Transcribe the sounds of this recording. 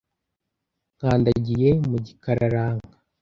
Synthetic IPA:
ŋ̥aːndaɟije̞muɟikaɾaɾaːŋɡa

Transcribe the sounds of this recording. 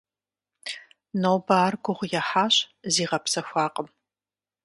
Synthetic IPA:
nowbaːrɡʷʊʁʷʊjɛħaːɕziːʁɐpsɐxʷaːqʼəm

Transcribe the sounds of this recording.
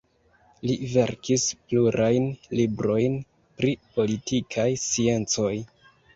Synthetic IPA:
live̞ɾkispluɾʔajnlibɾo̞jn | pɾipo̞litikʰajsie̞nt͡so̞j

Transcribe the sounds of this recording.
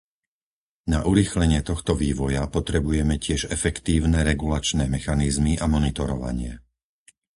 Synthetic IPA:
naʔuɾiːxlɛɲɪɛt̪ɔxt̪ɔʋiːʋɔjapɔt̪ɾɛbujɛmɛcɪɛʒɛfɛkt̪iːʊnɛɾɛɡulat͡ʃnɛːmɛxanizmiʔamɔnit̪ɔɾɔʋa̰ɲɪɛ̰

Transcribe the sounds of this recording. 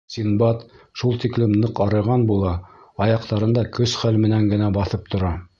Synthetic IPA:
sinbɑt̪ | ʃulˠt̪iklɘmnɤqɑɾɤ̆ʁɑnbulˠɑ | ɑjɑqt̪ɑɾɤ̆nd̪ɑkɵsχælmɘ̆næŋɡɘ̆næbɑθɤp̚t̪ʰŏɾɑ

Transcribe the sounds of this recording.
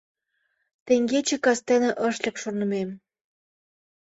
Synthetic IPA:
t̪eŋɡet͡ɕĕkɑst̪enə̆ʔəʃlʲə̆kʃonə̆mem

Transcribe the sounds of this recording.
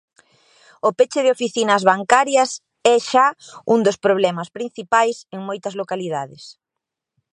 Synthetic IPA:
opet͡ʃɪðɪofiθinɐzβaŋkaɾjɐs | ɛʃaund̪ospɾoβlɛmɐspɾin̟θipajseŋmojt̪ɐzlokaliðaðɪs

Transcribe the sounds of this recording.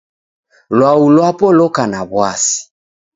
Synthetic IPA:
lwaulwapɔlɔkanaβwasi̥

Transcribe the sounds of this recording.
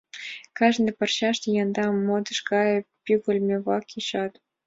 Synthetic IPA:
kɑʒnĕpɤ̆rɕɑʃt̪ejɑnd̪ɑmod̪ɤ̆ʂkɑjpʲyɡʲɘ̆lʲmʲeβɑkiɕɑt̪

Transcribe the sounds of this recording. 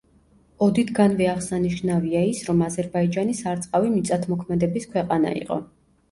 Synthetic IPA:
ɔd̪it̪ʰɡanvɛaʁsaniʃnaviaisɾɔmazɛɾbaid͡ʒanisaɾt̪sʼqʼavimit̪sʼat̪ʰmɔkʰmɛd̪ɛbiskʰwɛqʼana̰ḭqʼɔ̰

